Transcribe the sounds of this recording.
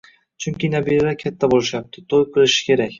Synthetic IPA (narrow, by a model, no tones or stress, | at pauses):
t͡ʃʰʊŋkʲɪnabilalaɾkʲʰat̪ʰːabolɪʃjap̚t̪ʰɪt̪ʰojqʰɨlˠɪʃɪ̥kʲe̞ɾakʲ